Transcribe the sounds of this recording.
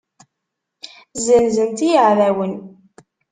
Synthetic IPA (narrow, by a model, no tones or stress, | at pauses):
zənzənt̪ijəʕðæwən